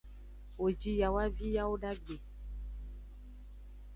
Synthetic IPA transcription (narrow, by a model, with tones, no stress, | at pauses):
wo˨d͡ʒi˦ja˨wa˦vi˦ja˦wo˦ɖa˦ɡe˨